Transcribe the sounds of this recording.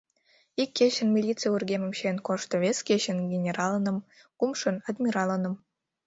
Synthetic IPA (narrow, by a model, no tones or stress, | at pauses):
ikʲːeɕə̆nmʲilʲit͡sɨjurɡʲemə̆mɕenkoʃt̪ŏβʲeskʲeɕənɡʲenʲeɾɑlˠənə̆m | kumʃɤ̆nɑd̪mʲiɾɑlˠənə̆m